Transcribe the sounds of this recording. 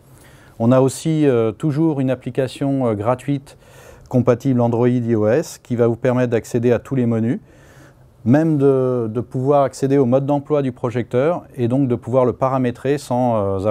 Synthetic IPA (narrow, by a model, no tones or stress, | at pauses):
ɔ̃naosiøt̪uʒuʁynaplikʲasjɔ̃øɡʁat̪ɥit̪ | kɔ̃pat̪iblɑ̃d̪ʁɔid̪iɔɛskʲivavupɛʁmɛt̪̚d̪aksed̪eat̪ʰuleməny | mɛmd̪əd̪əpuvwaʁaksed̪eomɔd̪ːɑ̃plwad̪ypχɔʒɛk̚t̪œːʁed̪ɔ̃k̚d̪əpuvwaʁləpaʁamet̪χesɑ̃øza